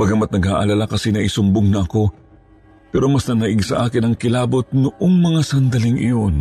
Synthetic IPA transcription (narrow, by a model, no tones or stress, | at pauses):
bɐɡamɐt̪̚nɐɡhaːʔɐ̰lalakɐsɛnɐʔisʊmboŋnɐʔɐko̞ | pɛːɾo̞mɐsnɐnɐʔɪɡsɐ̰ʔaːkɪnɐŋkɪlaːbo̞t̪̚nʊʔoŋmɐŋasɐnd̪ɐlɪŋʔɪ̰jo̞n